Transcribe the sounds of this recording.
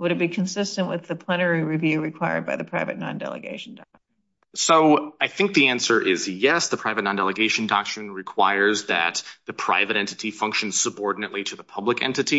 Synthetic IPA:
wəɾɨvbikʰɨ̃nsɪstɨ̃nʔwɨðɨpʰl̥ɛñə˞iɹivjʉɹɨkʰw̥aɪə̰˞d̚baɪðɨpʰɹ̥aɪvɨ̰tⁿnɑ̰̃ndɛ̰lˠə̰ɡḛɪʃn̩dɑ̰k̚t͡ʃ | n | soʊaɪθɪ̃ŋk̚ðiæ̃nsə˞ʔɪzjɛsðəpʰɹ̥aɪvɨtⁿnɑ̃ndɛlˠəɡeɪʃn̩dɑk̚tɹ̥ɨ̃nɹɨkʰw̥aɪə˞zðɨ̰t̪̚ðɨpʰɹ̥a̰ɪvɨɾɛ̃ntɨɾifʌ̃ŋkʃɨ̃n̩z̥səbɔɹdⁿnɨʔˡliɾɨðəpʰʌbləkɛ̰̃ntɨɾi

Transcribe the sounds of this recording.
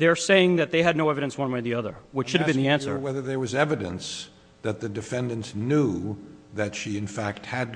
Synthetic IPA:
ðə˞seɪɪ̃ŋðɨt̪̚ðeɪɨdⁿnoʊɛvɨɾɨ̃nswʌ̃nweɪðiʌðə̰˞wɨt͡ʃʃʊɾɨvbɨ̃nðiæ̃nsə̰˞wɛðə˞ðə˞wʌzɛvɨɾɨ̰̃ns | ðɨt̪̚ðɨdɨfɛ̃ndɨ̃ntsnuðɨtʃiɨ̃nfæk̚t̚hɨd̚

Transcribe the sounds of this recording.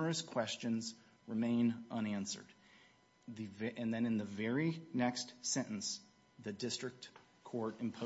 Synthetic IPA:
ə˞ɨskʰw̥ɛst͡ʃɨ̃nz | ɹɨmẽɪ̃nʔʌ̃næ̃nsə̰˞d̪̚ | ðɨvʔɨ̃nðɨ̃nɨ̃nðɨvɛɹinɛkstsɛ̃ɾ̃ʔn̩s | ðɨdɪstɹ̥ɨk̚t | kʰɔɹɾɨ̃mpʰo

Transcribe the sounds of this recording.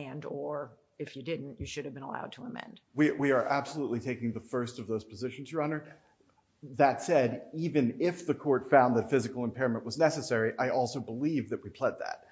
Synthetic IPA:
ndə˞ | ɨfjɨdɪdⁿn̩tjɨʃʊɾɨvbɨ̃nəla̰ʊd̚tʰəəmɛ̰̃nd̥wiwiə˞ʔæb̥səlutˡlitʰeɪkɪ̃ŋðəfɜ˞stʌvðoʊz̥pʰəzɪʃn̩zjə˞ɑ̃nə˞ | ðɨtsɛɾivɨ̃nɪfðɨkʰɔɹtfãʊ̃nðɨtfɪzɨkl̩ˠə̃mpʰɛɹɨmə̃nʔwʌznɛsɨsɛɹiʔaɪʔɔlˠsoʊbəlivðɨt̚wipʰl̥ɛd̪̚ðæ̰t̚

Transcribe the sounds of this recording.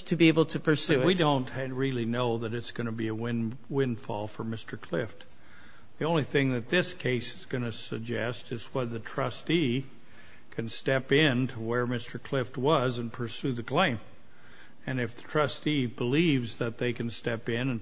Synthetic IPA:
tʰɨbieɪbl̩ˠtʰɨpʰə˞sʉwidõʊ̃ntɹɪlˠinoʊðɨɾɨtsɡ̥ʌnɨbiɨwɪ̃n | wɪ̃nfɔ̰lˠfə˞mɪstə˞kʰl̥ɪft | ðiõʊ̃nliθɪ̃ŋðɨt̪̚ðɪskʰeɪsɨzɡʌnɨsɨɡ̚d͡ʒɛstɨzwʌt̪̚ðɨtʰɹ̥ʌsti | kʰɨ̃nstɛpɪ̃ntʰəwə˞mɪstə˞kʰl̥ɪft̚wʌzɨ̃npʰə˞sʉðɨkʰl̥ẽɪ̃m | ɨ̃nɨfðətʰɹ̥ʌstibəlivzðɨt̪̚ðeɪkɨ̃n̩stɛpɪ̃nɨ̃n

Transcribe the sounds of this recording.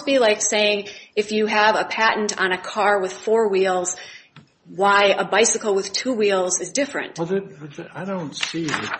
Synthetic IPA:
b̥ilaɪkseɪɪ̃ŋɨfjɨːvəpʰæʔn̩tn̩ɨkʰɑɹwɨð̥fɔɹwilˠz̥ | waɪəbaɪsɨkl̩ˠwɨð̥tʰuwilˠzɨzdɪfɹɨ̰̃ntðɨaɪɾõʊ̃ntsi

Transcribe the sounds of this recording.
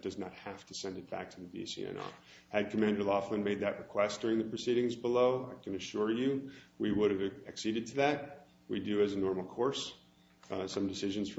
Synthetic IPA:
d̥ʌznət̚hæftʰɨsɛ̃ndɨt̚b̥æ̰k̚tʰɨðɨbḭsḭɛ̰̃nɑ̰ | hɨd̚kʰɨmæ̃ndə˞lɑflə̃nmeɪd̪̚ðɨʔ̚ɹɨkʰw̥ɛsd̥ʊɹɪ̃ŋðɨpʰɹ̥ɨsiɾɪ̃ŋzbəloʊaɪkʰɨ̃nɨʃʊɹjʉwiwʊɾɨvɨksiɾɨd̚tʰɨðæt̚ | widɨɨzɨnɔɹml̩ˠkʰɔɹs | sʌ̃mdɨsɪʒɨ̃n̩z̥f

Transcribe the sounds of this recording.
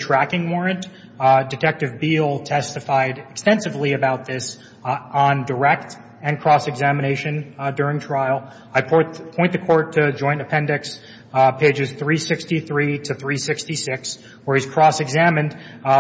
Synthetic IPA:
tʰɹ̥ækɪ̃ŋwɔɹɨ̃nt | dɨtʰɛk̚tɨvbilˠtʰɛstɨfaɪɾɨkstɛ̃nsɨvliɨbaʊt̪̚ðɪs | n̩də˞ɛk̚t | ɨ̃nkʰɹ̥ɔsɨɡzæmɨɾ̃eɪʃɨ̃ndʊɹɪ̃ŋtʰɹ̥aɪl̩ˠ | aɪpʰɔ̃ɪ̃nðɨkʰɔɹtʰɨd͡ʒɔ̃ɪ̃ntɨpʰɛ̃ndɨks | pʰeɪd͡ʒɨz̥θɹisɪkstiθɹiɾɨθɹisɪkstisɪks | wə˞iz̥kʰɹ̥ɔsɨɡzæmɨ̃nd̥

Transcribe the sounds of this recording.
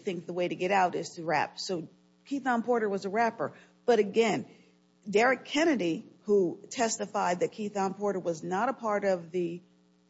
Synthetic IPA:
θɪ̃ŋk̚ðəweɪɾɨɡɛɾaʊɾɪz̥tʰɨɹæ̰p̚soʊ | kʰiθɑ̃npʰɔɹɾə˞wʌzəɹæpə˞ | b̥ʌɾɨɡɛ̃n | dɛɹɨkʰɛñɨɾihutʰɛstɨfaɪd̪̚ðɨt̚kʰiθɑ̃npʰɔɹɾə˞wʌznəɾəpʰɑɹɾʌvðɨ

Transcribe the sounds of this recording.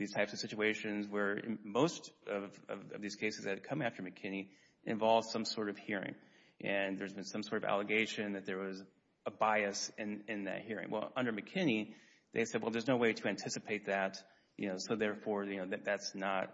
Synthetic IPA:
ðiz̥tʰaɪpsʌv̥sɪt͡ʃʉeɪʃɨ̃nzwə̰̃˞moʊstʌvʌ̰vʌ̰vðiz̥kʰeɪsɨz̥ɨd̚kʰʌ̃mæftə˞mɨkʰɪ̃ni | ʔɨ̰̃ɱvɑlˠvd̥sʌ̃msɔɹɾʌv̥hiɹɪ̰̃ŋ | ʔɨ̃nðə˞zbɨ̃nsʌ̃msɔɹɾʌvæ̰lˠəɡeɪʃɨ̃nðɨt̪̚ðə˞wʌz | əbaɪɨsɨ̃nɪ̃nðɨ̰t̚hiɹɪ̰̃ŋwʔɛ̰lˠʌ̃ndə˞mɨkʰɪ̃ni | ðeɪsɛd̚wɛlˠðə˞znoʊweɪɾɨæ̃ntʰɪsɨpʰeɪt̪̚ðɨt | jɨ̰noʊsoʊðɛɹfɔɹjɨnoʊðɨðætsnət̚

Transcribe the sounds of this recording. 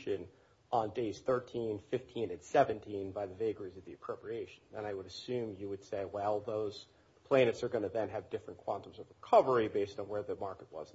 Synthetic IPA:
ʃɨ̃n | ʔə̃ndeɪz̥θɜ˞tʰĩnfɪftʰĩnɨ̃nsɛvɨ̃ntʰĩnbaɪðɨveɪɡizʌvðiɨpʰɹ̥oʊpɹieɪʃɨ̃n̩ɨ̰̃naɪwəɾɨsʉ̃mjɨwɨd̥seɪwɛlˠðoʊz̥ | pʰl̥æ̃ɪ̃nɨtsə˞ɡʌnɨðɨ̃nɨvdɪfɹɨ̃nkʰw̥ɑ̃ntə̃mzʌvɹəkʰʌvə˞ibeɪstn̩wə˞ðɨmɑɹkət̚wʌ̰zn

